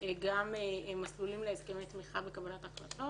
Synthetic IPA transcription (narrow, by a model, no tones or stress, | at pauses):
eɡamemaslulimleːzkemet̪miχabekabalataχlat̪o